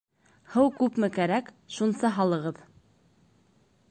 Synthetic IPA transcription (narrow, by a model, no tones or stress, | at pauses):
hɤwkʉpmɘkæɾæk | ʃunsɑɦɑlˠɤ̆ʁɤð